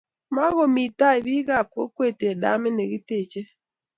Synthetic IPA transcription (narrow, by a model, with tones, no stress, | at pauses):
ma˦ɣo˨mi˨ta˦e˨βi˦ɣa˨kwo˦kwe˦˨tːda̰˦me˦ne˨ɣi˦te˦˨t͡ʃe˦